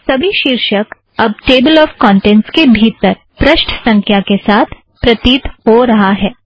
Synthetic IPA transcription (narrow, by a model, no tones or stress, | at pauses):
sɐbʱiʃiːɾʃək | ɐb̚ʈeːbəlɔːfkɔ̃ːɳʈẽːnʈskebʱiːt̪əɾ | pɾɐʃʈʰsɐ̃ŋkʰjakesaːt̪ʰ | pɾɐt̪iːt̪hoɾɐɦaɦɛː